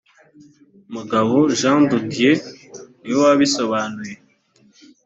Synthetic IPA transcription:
muɡaβoʒãndudijeniwaβiso̞βaːnuje

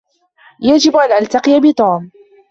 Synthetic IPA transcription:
jad͡ʒɪbʔanʔalt̪aqɨjabɪt̪ˤoːm

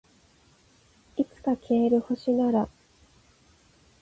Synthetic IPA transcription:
it͡sɨ̥kakʲʰeːɾɯ̟ho̞ɕinaɾa

